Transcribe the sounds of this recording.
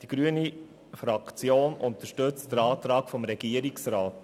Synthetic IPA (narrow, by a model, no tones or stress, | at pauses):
d̥iɡ̥ɾyəni | fɾɑkt͡sjoːnʔʊnt̪əʃtɵt͡std̥əɾɑːt̪ɾɑːkfɔmɾɛɡ̥iəɾiksɾɑːt